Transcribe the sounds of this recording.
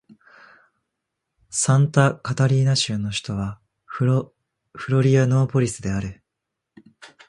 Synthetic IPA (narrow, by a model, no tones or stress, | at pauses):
sãnt̪akat̪aɾʲiːnaɕɨnːo̞ɕi̥t̪o̞βa | ɸɯ̟ɾo̞ɾʲiano̞ːpo̞ɾʲisɨd̪e̞aɾɯ̟